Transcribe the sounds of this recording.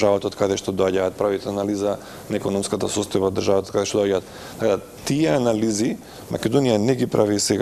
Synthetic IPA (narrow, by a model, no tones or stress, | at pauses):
ʒavat̪at̪kad̪ɛʃt̪ɔd̪ɔaɟaːt̪̚pɾavit̪ɛanaliza | naɛkɔnɔmskat̪asɔst̪ɔjbad̪ːrʒavat̪akad̪ɛʃt̪ɔd̪oaɟaːt̪ | d̪akad̪a | t̪iɛanalizi | mʔa̰kɛd̪onijanɛɡipɾʔavisɛɡa